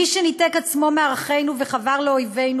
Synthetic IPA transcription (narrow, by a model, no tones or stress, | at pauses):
iʃenitekat͡smomeaʁaχe̞jnuveχavaʁleojve̞jnu